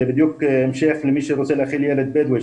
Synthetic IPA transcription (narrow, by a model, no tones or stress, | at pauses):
bɪd̪jukmʃæːxlmiːʃiɾʊsæːlʔæxiːljælæd̪̚bæːd̪wæ